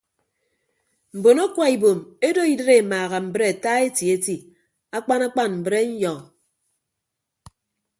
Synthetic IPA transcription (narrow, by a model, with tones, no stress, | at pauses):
m̩˨bo˨no˦kwa˨i˨bo˨me˦do˦i˦dɾe˦˨maː˨ɣa˨m̩˨bɾe˦˨a˨ta˦e˦ti˨e˦ti˦ | a˦k͡pa˦na˦k͡pa˦nm̩˨bɾe˦n̩˦jɔ˨